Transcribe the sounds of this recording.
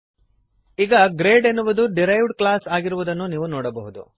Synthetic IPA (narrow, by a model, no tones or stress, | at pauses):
iːɡɐɡɾeːɖe̞nːuʋud̪uɖiɾɐjʋɖklaːsaːɡiɾuʋud̪ɐnːuniːʋunɔːɽɐbɐɦud̪ṵ